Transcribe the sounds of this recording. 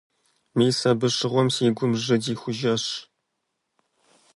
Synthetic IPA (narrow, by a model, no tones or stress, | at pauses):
miːsɐbɨʂɨʁʷɔmsiːɡʷʊmʐɨdiːxʷʊʒɐʂ